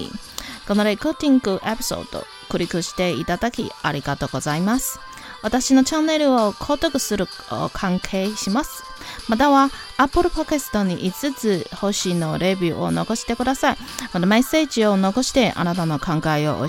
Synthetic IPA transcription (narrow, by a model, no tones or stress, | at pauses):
ko̞no̞ɾe̞kɯːt̪ʲĩŋɡɯ̟ʔepʲi̥so̰d̪o̰ | kɯ̟ɾʲikɯ̟ɕi̥t̪e̞it̪ad̪akʲḭaɾʲiɡat̪o̞ːɡo̞zaimasɨ̥ | βat̪aɕino̞t͡ɕãnːe̞ɾɯ̟o̞kʰo̞ːt̪o̞kɯ̟sɨɾɯ̟ | o̰kʰãŋkʰe̞ːɕimasɨ̥ | mat̪aβaː | pːɯ̟ɾɯ̟pakesɨ̥t̪o̞ɲ̟iʔit͡sɨt͡sɨho̞ɕino̞ɾe̞bʲɯːʔo̞̰no̞̰ɡo̞ɕi̥t̪e̞kɯ̟d̪asai | mat̪amese̞ːd͡ʑio̞no̞ko̞ɕi̥t̪e̞ʔa̰nat̪ano̞kãŋɡaio̞̰ʔ